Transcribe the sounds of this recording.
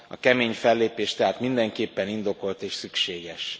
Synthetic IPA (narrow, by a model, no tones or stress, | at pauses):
ɒ̰kɛmeːɲfɛlːeːpeːʃt̪ɛɦaːt̪mind̪ɛŋkeːpːɛnind̪o̞ko̞lt̪eːʃsykʃeːɡɛʃ